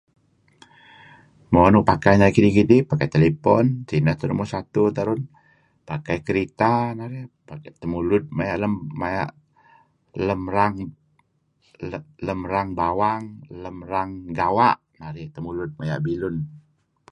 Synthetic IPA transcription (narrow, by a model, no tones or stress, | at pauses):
moanʊʔpakajnaikidikidipakajt̪elepɔnsinat̪aɾunmosat̪ut̪aɾʊn | pakajkəɾit̪anaɾipakat̪əmulʊt̪̚majaʔləmːaja̰ʔ | ləmɾaŋ | ləmɾaŋbawaŋləmɾaŋɡawaʔ | naɾit̪əmulʊt̪̚maja̰ʔbilʊn